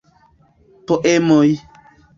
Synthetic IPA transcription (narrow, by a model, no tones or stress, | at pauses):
poʔemoj